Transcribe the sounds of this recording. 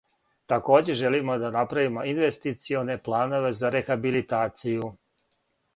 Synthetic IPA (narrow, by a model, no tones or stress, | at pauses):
t̪ako̞ːd͡ʑe̞ʒe̞limo̞d̪anapɾaʋimo̞inʋe̞st̪it̪sio̞ne̞plˠaːno̞ʋe̞zaɾe̞xabilit̪aːt̪siju